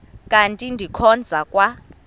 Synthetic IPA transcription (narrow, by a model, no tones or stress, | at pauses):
kʼantʼindʱikʰɔnd͡zʱakʼwa